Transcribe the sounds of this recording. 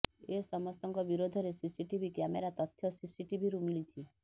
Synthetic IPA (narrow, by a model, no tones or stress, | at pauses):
esɔmɔst̪ɔŋkɔbiɾod̪ʱɔɾesisiʈibʱikjameɾat̪ɔt̪ʰːjɔsisiʈibʱiɾumilit͡ʃʰi